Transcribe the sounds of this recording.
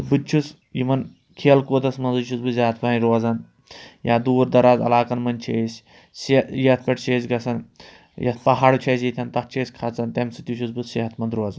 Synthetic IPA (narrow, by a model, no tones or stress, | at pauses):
bɨt͡ʃʰus | jimɐn | kʰeːlkoːt̪ɐsmɐnzɨt͡ʃʰusbɨzʲaːt̪ʰpaːnʲiɾoɐzɐn | jaːd̪uːɾd̪ɐɾaːzɐ̰laːkɐnmɐnʲt͡ʃʰeːsʲ | sejɐt̪̚ʰkɐʈt͡ʃeːsɡɐsʰɐn | jɐt̪̚ʰpɐɦaːɽut͡ʃʰeːs̬jit̪ʰʲɐnt̪ɐkt͡ʃʰeːsʲkʰɐt͡sɐnt̪ɐmsɨt̪ʲuʃʰusbɨseɦɐt̪mɐnd̪ɾoːzɐn